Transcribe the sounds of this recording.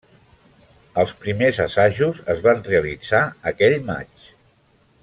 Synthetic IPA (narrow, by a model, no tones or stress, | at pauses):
əlˠspɾimezəsaʒuzəzβanreəlid͡zaəkɛʎma̰t͡ʃ